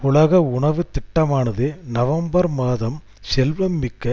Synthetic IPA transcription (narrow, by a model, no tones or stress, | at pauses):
ʊɭɐɣɐʊɳɐʋɯt̪ɪʈːɐmaːnɐðɯnɐʋɐmbɐɾmaːðɐm | sɛlʋɐmːɪkːɐ